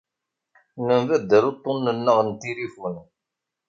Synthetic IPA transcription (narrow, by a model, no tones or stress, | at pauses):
nəmvæd̪ːəɾot̪ˤːonːənːəʁənt̪iɾifun